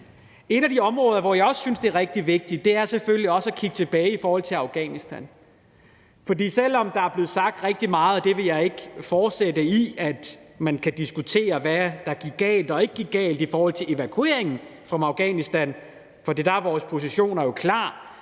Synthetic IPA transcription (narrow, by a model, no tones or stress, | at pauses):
e̝n̥æd̥iɒ̽mʁɔ̽ːð̞ˠɐʋɒjɑ̈ɪɒ̽sːynsd̥e̝æɐʁɛɡ̥̚d̥iʋe̝ɡ̥̚d̥i̥d̥e̝æɐsefølliɒ̽sækʰiɡ̥ət͡sʰe̝b̥ɛːɪifɒːhɒ̽l̰t͡sʰe̝lɑ̈ʊɡ̥ɛ̰ːnisd̥æn | fɒ̽dḭːsel̰ɒ̽md̥ɑ̈æɐb̥le̝ːð̩ˠsɑ̈ɡ̥̚d̥ʁeɡ̥̚d̥imɑ̈ːð̩ˠd̥e̝ʋe̝jɑ̈ɪe̝ɡ̥fɒːd̥sed̥əiæd̥mænkʰæd̥isɡ̥ut͡sʰe̝̰ːɐʋæd̥ɑ̈ɡ̥iɡ̥ɛ̰ːld̥ɒ̽e̝ɡ̥̚ɡ̥iɡ̥ɛ̰ːld̥ifɒːhɒ̽l̰t͡sʰe̝e̝ʋækʰue̝ɐ̰eŋn̩fʁɑ̽mɑ̈ʊɡ̥ɛ̰ːnisd̥æn | fɒd̥ḭːd̥ɑ̈æɐʋɒːspʰo̝s̬iɕo̝̰ːnɐjo̝kʰlɑ̰̈ː